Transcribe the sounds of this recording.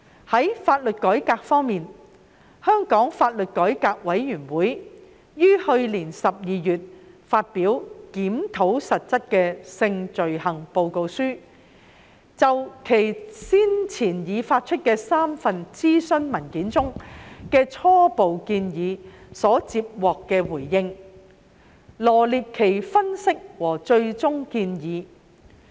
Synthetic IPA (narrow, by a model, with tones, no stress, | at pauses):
hɐ˨˥jfaː˧t̚lɵ˨t̚kɔː˨˥jkaː˧k̚fɔː˥ŋmiː˨n | hœː˥ŋkɔː˨˥ŋfaː˧t̚lɵ˨t̚kɔː˨˥jkaː˧k̚wɐ˨˥jɥyː˨˩nwuː˨˥jː | yː˥hɵ˧ɥliː˨˩nsɐ˨p̚jiː˨jyː˨t̚faː˧t̚piː˨˥wkiː˨˥mt̪ʰo˨˥wsɐ˨t̚t͡sɐ˥t̚kɛː˧sɪ˧ŋt͡ʃɵ˨ɥhɐ˨˩ŋpo˨˧wko˧wsyː˥ | t͡sɐ˨wkʰe˨˩jsiː˥nt͡sʰiː˨˩njiː˨˧faː˧t̚t͡ʃʰɵ˥t̚kɛː˧saː˥mfɐ˨nt͡siː˥sɵ˥nmɐ˨˩nkiː˨˥nt͡sʊ˥ŋkɛː˧t͡sʰɔː˥po˨wkiː˧njiː˨˧sɔː˨˥t͡siː˧p̚wɔː˨kːɛː˧wuː˨˩jːɪ˧ŋ | lɔː˨˩liː˨p̚kʰe˨˩jfɐ˥nsɪ˥k̚wɔː˨˩t͡ʃɵ˧ɥt͡sʊ˥ŋkiː˧njiː˨˧